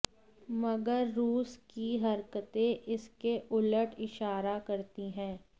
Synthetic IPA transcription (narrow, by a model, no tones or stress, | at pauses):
mɐɡəɾːuːskiɦɐɾkət̪ẽʔɪskeʔʊləʈʰɪʃaːɾakɐɾt̪iɦɛ̃ː